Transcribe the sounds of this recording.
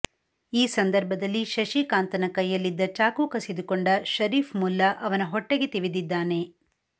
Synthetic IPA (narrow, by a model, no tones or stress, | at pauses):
iːsɐnd̪ɐɾbʱɐd̪ɐlːiʃɐʃikaːnt̪ɐnɐkɐjːɐlːid̪ːɐt͡ʃaːkukɐsid̪ukoɳɖɐʃɐɾiːfmulːɐʔɐʋɐnɐɦɔʈːeɡet̪iʋid̪id̪ːaːne̞